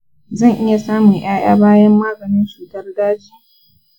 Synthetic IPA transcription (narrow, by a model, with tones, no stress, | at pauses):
zɐ˦˨ŋʔɪ˦ja˨saː˦mʊ˨ŋj̰aː˦j̰a̰ː˦baː˦jɐ˦mːaː˦ɡɐ˨nɪ˦nt͡ʃuː˨tɐ˦rdaː˦d͡ʒiː˨